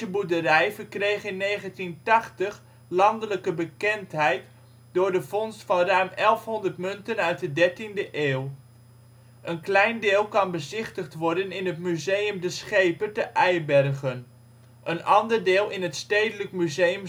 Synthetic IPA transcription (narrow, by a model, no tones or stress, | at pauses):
əbudərɛjvəɹkrejχɪnːejχəntintɑχtəχ | lɑndələkəbəkɛntɦɛjt | dʊːɹdəv̥ɔnstfɑnrœɥmɛlˠfɦɔndəɹtmɵntənœɥt̚dədɛɹtindəʔeːw | ʔənklɛjndɪːlˠkɑnbəzɪχtəχtʋɔɹdənɪnɦətmyzejəmdəsχejpətəʔɛjbɛrχən | ʔənɑndəɹdɪːlˠɪnɦətstejdələkmyzejəm